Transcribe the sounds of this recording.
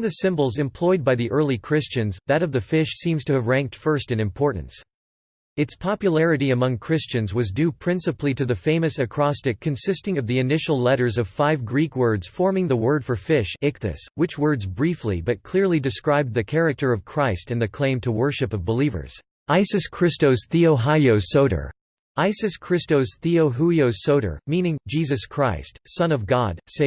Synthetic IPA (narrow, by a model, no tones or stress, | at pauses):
nðɨsɪ̃mbl̩ˠzɨ̃mpʰl̥ɔɪd̚baɪðiʔɜ˞lˠikʰɹ̥ɪst͡ʃɨ̃nzðɨɾʌvðɨfɪʃsĩmz̥tʰɨːvɹæ̃ŋk̚tfɜ˞stɨ̃nɨ̃mpʰɔɹʔn̩s | ɨtspʰɑpjɨl̩ˠɛɹɨɾiɨmʌ̃ŋkʰɹ̥ɪst͡ʃɨ̃nzwʌzdʉpʰɹ̥ɪ̃nsɨpliɾɨðɨfẽɪ̃mɨsɨkʰɹ̥ɑstɨkʰːɨ̃nsɪstɪ̃ŋʌvðiɨnɪʃl̩ˠlɛɾə˞zʌv̥faɪvɡɹikwɜ˞dz̥fɔɹmɪ̃ŋðəwɜ˞d̥fə˞fɪʃɪk̚θɨ̰swɨt͡ʃwɜ˞dzbɹiflḭbʌt̚kʰl̥ɪɹlˠidɨskɹaɪb̪̚ðɨkʰɛɹɨk̚tʰə˞ʌv̥kʰɹ̥aɪstɨ̃nðɨkʰl̥ẽɪ̃mtʰəwɜ˞ʃɨpʌvbəlivə̰˞z̥ | aɪsɨskʰɹ̥ɪstoʊz̥θioʊɦaɪoʊsoʊɾə̰˞ | aɪsɨskʰɹ̥ɪstoʊz̥θioʊɦuioʊsoʊɾə̰˞mĩnɪ̃ŋd͡ʒizɨskʰɹ̥aɪstsʌ̃nʌvɡɑd̥̚seɪ